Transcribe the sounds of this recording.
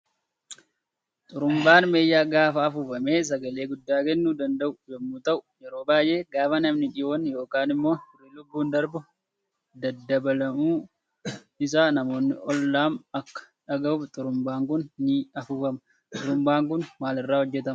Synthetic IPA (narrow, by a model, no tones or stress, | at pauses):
t̪ʼʊɾʊmbaːnmeːjːaːɡaːfɐːfuːfɐme̞ːs̬ɐɡɐle̞ːɡʊd̪ːaːkɛnːuːd̪ɐnd̪ɐʔʊd͡ʒɛmːuːt̪ɐʔʊ̥jɛɾo̞ːbaːjʔe̞ːɡaːfɐnɐmnɪᶑɪʔoːnjo̞ːkaːnɪmːo̞ːɪriːlʊbːuːnd̪ɐɾbʊ | d̪ɐd̪ːɐbɐlɐmuː | ɪsaːnɐmo̞ːnːɪʔɔlːaːmɐkːɐ̥ | ᶑɐɡɐʊft̪ʼʊɾʊmbaːŋkʊnnɪɐfuːfɐmɐ | t̪ʼʊɾʊmbaːŋk̬ʊnmaːlɪrːaːhɔd͡ʒːɛt̪ɐmɐ